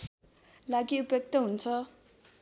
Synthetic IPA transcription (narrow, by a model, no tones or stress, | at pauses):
laɡiupjʌk̚t̪ʌɦunt͡sʰʌ